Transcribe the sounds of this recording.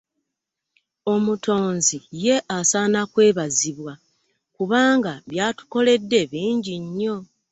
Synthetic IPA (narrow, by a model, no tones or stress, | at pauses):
o̞mutʰo̞ːnzije̞ʔasaːnakwe̞ːβaziβwa | kuβaːŋɡaβjaːtu̥ko̞le̞dːe̞βiːɲɟiɲːo̞